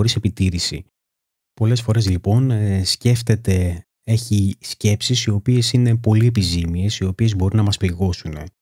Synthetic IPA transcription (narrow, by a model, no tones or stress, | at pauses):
oɾise̞pit̪iɾisḭ | po̞le̞sfo̞ɾe̞zlipo̞nsce̞ft̪e̞t̪e̞ | e̞çisce̞psisio̞pie̞sine̞po̞lie̞pizimie̞sio̞pie̞zbo̞ɾinɐmɐspliɣo̞sune̞